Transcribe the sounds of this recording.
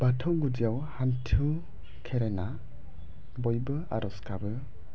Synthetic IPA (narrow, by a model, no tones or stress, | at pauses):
batʰɔwɡud͡ʒijawhantʰu | kʰeɾena | bɔjbɯ | a̰ɾɔskʰabɯ